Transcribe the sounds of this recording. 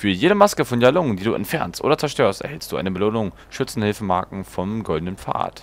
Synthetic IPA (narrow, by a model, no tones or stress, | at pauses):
fyːɐjeːɾəmaskəfɔnjalʊŋəndiːduːʔɛ̰ntfɛɐnstʔo̰ːdɐt͡sɛɐʃtøːɐstʔɛɐhɛlstd̥uːaɪnəbəloːnʊŋ | ʃʏt͡sn̩hɪlfəmaːɐkŋ̩fɔmɡɔldənənfa̰ːɐt